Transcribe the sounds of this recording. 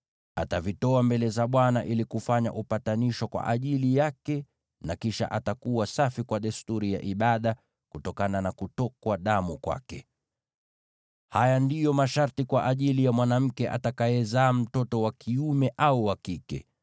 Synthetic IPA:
atavitɔambɛlɛzaɓwanaʔilikufaɲa̰ʔupataniʃwakwa̰ʔaʄilijakɛ | nakiʃa̰ʔatakuwasafikwaɗɛstuɾija̰ʔiɓaɗa | kutɔkananakutɔkwaɗamukwa̰kɛ | hajandijɔmaʃaɾtikwaʔaʄilijamwanam̩kɛʔa̰takajɛzaːm̩tɔtɔwakʰiumɛʔauwakikɛ̰

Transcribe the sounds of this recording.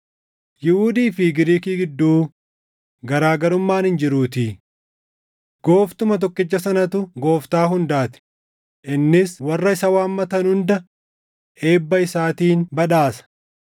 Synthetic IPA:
jɪhud̪iːfɪɡɪɾiːkiːɡɪd̪ːuː | ɡɐɾaːɡɐɾʊmːaːnhɪnd͡ʒɪɾuːt̪ɪ | ɡ̥o̞ːft̪ʊmɐt̪ɔkːɪd͡ʒːɐsɐnɐt̪ʊɡo̞ːft̪aːɦʊnd̪aːt̪ɪ̥ | ʔɪnːɪswɐrːɐɪsɐwaːmːɐt̪ɐnhʊnd̪ɐ | e̞ːbːɐɪsaːt̪iːnbɐᶑaːsɐ̥

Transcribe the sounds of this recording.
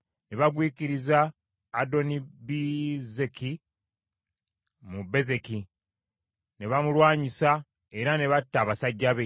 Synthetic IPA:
ne̞βaɡwiːkiɾizaː | do̞nibizeki | mube̞ze̞ki | ne̞βamulwaːɲisa | e̞ɾane̞βatːaːβasaɟːaβe

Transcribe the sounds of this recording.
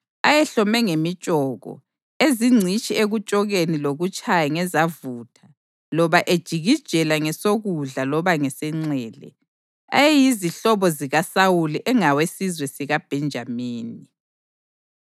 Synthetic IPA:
ajɛɬɔmɛŋemit͡ʃʼɔːɣɔ̰ | eziŋ͡ǀʱit͡ʃʼieɣut͡ʃʼɔɣeniloɣut͡ʃʼajaŋɛzavuːtʰa | lɔβaʔed̥ʒ̥ʱiɣid̥ʒ̥ʱɛlaŋɛsoɣuɮalɔβaŋɛsɛŋ͡ǀɛːlɛ̰ | a̰jɛjiziɬɔβɔziɣasawuliʔɛŋawesizwɛsiɣab̥ʱɛnd͡ʒʱamiːni

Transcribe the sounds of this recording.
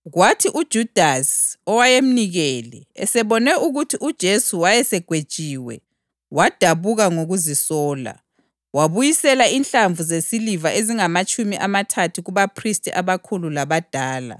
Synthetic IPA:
ɣwatʰiʔud̥ʒ̥ʱud̥ʱasɔwajem̩niɣɛlɛ̰ɛ̰sɛβɔnɛuɣutʰiʔud̥ʒ̥ʱesuwajɛsɛɡ̥ʱwed̥ʒ̥ʱiːwɛ̰ | wad̥ʱaβuɣaŋoɣuzisɔːla̰ | waβujisɛlainɬaɱvuzesilivaʔeziŋamat͡ʃʼumiʔamatʰatʰuɣuβapʰristʰʼiʔaβakʰululaβad̥ʱaːla̰

